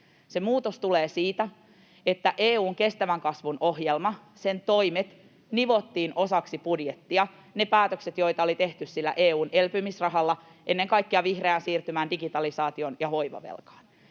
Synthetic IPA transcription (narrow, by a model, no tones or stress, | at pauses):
semuːt̪ost̪uleːsiːt̪æ | et̪ːæʔeːuːŋke̞st̪æʋæŋkɑsʋunoɦjelmɑ | sent̪oimet̪ | niʋot̪ːiːno̞sɑksipudjet̪ːiɑ | nepæːt̪økset̪jo̞it̪ɑolit̪eht̪yssilːæ̰ʔeːuːnelpymisrɑɦɑlːɑ | ʔenːeŋkɑikːiɑʋihreænsiːrt̪ymæːndiɡit̪ɑlisɑːt̪ionjɑʋo̞iʋɑ̰ʋḛlkɑ̥ːn